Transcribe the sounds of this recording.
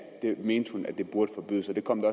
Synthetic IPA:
d̥e̝meːnd̥hunæd̥e̝b̥uɐd̥əfɒ̽b̥y̰ð̰ˠsɒd̥e̝kʰɒ̽m̰d̥ɒ

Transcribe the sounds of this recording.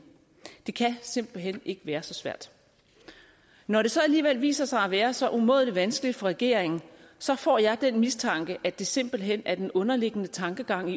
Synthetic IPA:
d̥e̝kʰæse̝m̰b̥l̩ɦen̰e̝ɡ̥əʋæːɐsɒ̽sʋæɐ̰d̥ | nɒɾe̝sɒ̽æliːʋel̰ʋḭːsɐsɑ̈ɪæʋæːɐsɒ̽ʔumo̰ðˠliʋænsɡ̥əlid̥fɒ̽ʁɛɡ̥e̝̰ɐ̰eŋn̩ | sɒ̽fɒ̰ːjɑ̈ɪd̥enmist͡sʰɑ̈ŋɡ̥əʔæd̥e̝se̝m̰b̥l̩ɦen̰æɐd̥enɔ̽nɐle̝ɡ̥ənət͡sʰɑ̈ŋɡ̥əɡ̥ɑ̈ŋ̰i

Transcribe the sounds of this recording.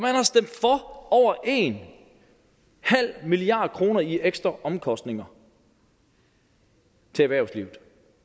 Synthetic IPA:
ɒmænhɑ̈sd̥em̰d̥fɒɒʊ̰ɐʔe̝n | hæl̰miliɑ̰̈ːd̥ˠkʰʁo̝ːnɐieɡ̥sd̥ʁɐʔɒ̽mkʰɒ̽sd̥ne̝ŋɐ | t͡sʰe̝æʋæɐʊsliʊð̩ˠ

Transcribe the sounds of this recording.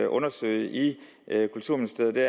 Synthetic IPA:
ʔɔ̽nɐsø̰ɪ̰ʔi | ʔkʰult͡sʰṵɐ̰minisd̥e̝ɐð̩ˠd̥e

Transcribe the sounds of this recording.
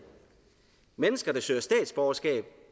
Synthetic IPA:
menəsɡ̥ɐd̥æ̈sø̰ɐsd̥ɛ̰ːd̥sb̥ɒʊɐsɡ̥ɛ̰ːb̥̚

